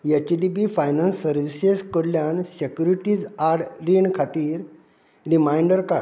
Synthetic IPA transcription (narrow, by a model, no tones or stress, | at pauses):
jet͡ɕɖibifajnãnsːəɾʋiseskəɽljansekʲjuɾiʈid͡zaɾɽɾiɳkʰat̪iːɾ | ɾimajɳɖəɾka